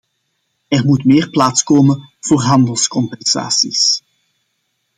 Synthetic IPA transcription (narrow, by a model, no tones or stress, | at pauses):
ɛrmutmeːrplaːtskoːmənv̥oːrɦɑndəlˠskɔmpɛnz̥a̰ːsis